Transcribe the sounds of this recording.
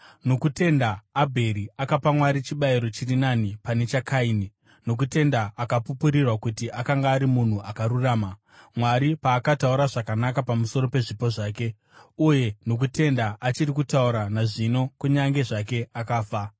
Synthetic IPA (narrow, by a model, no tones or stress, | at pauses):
no̞kute̞ndaːbʱe̞ɾiakapamwaɾit͡ʃiɓaiɾo̞t͡ʃirinanipane̞t͡ʃakaini | no̞k̬ute̞ndaʔakapupuɾirwakutiʔakaŋɡaːɾimun̤uʔakaruraːma | mwaɾipaːkatauɾaʐakanakapamuso̞ɾo̞pe̞ʐipo̞ʐaːke̞ | uje̞no̞k̬ute̞ndaʔat͡ʃirikutauɾanaʐino̞kuɲaŋɡe̞ʐake̞akaːfa